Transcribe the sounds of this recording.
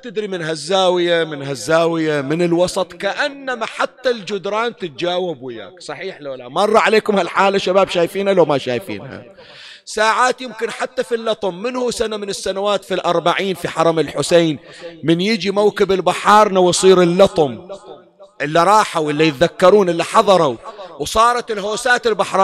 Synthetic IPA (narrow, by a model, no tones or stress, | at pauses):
at̪ɪd̪ɾimɪnɦazːaːwɪjamɪnɦazːaːwɪjamɪnɪlwɑsˤɑt̪ˤkaʔanːamaħat̪ːald͡ʒʊd̪ɾˤɑːnt̪ɪt̪̚d͡ʒaːwɪbwɪja̰ːksˤɑħiːħloːlamɑrˤːɑʕaleːkʊmhalħaːlaʃabaːbʃaːjfiːnhalawmaʃaːjfḭːnha̰ | saːʕaːt̪jɪmkɪnħat̪ːafilːɑt̪ˤʊmːɪnhusanamɪnɪsːanawaːt̪filʔɑɾˤbaʕiːnfiħɑɾˤɑmɪlħʊseːnmɪnjɪd͡ʒimawkɪbɪlbaħɑːɾˤnawjsˤiːɾɪlːɑt̪ˤʊm | ʔɪlːiɾˤɑːħawʔɪlːijɪt̪ðakːɑɾˤuːnʔɪlːiħɑðˤɑɾˤawwsˤɑːɾˤɑt̪ɪlɦoːsaːt̪ɪlbaħɾˤɑː